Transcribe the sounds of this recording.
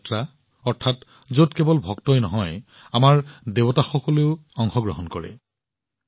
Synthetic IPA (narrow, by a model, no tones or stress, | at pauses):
tɹa | ɔɹtʰat | zotkebɔlbʱɔktɔjnɔɦɔj | amaɹdebɔtaxɔkɔleʊɔŋxɔɡɹɔɦɔnkɔɹɛ̰